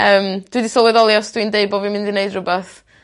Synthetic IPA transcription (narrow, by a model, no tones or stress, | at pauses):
əːmd̥widisɔlˠwɛðɔlˠjasd̥windeɨbɔvimɪ̃ndineɨdrʊbaθ